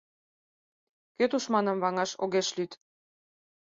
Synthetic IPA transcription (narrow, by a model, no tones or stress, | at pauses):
køt̪uʃmɑnə̆mβɑŋɑʃoɣeʃlyt̪